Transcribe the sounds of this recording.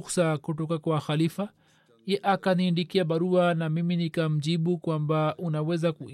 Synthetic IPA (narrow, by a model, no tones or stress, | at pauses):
sakutɔkakwaxalifa | ɛʔakaniːndikiaɓaɾuanamiminikam̩ʄiɓukwambaʔunawɛzaku